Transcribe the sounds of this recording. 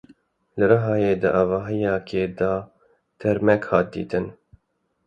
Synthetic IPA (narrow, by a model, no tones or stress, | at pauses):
lɨɾɨɦɑːjeːd̪ɨʔɑːvɑːɦɨjɑːkʰeːd̪ɑː | t̪ʰɛɾmɛkhɑːt̪̚d̪ḭːt̪ɨn